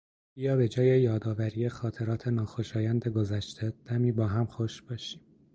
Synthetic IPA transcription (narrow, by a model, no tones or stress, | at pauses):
b̥iːjɒːbe̞d͡ʒɒːje̞jɒːd̪ɒːvæɾiːjexɒːt̪ʰe̞ɾɒːt̪ʰe̞nɒːxo̞ʃɒːjænd̪e̞ɡo̞zæʃt̪ʰe̞d̪̥æmiːbɒːɦæmxoʃb̥ɒːʃi̥ːm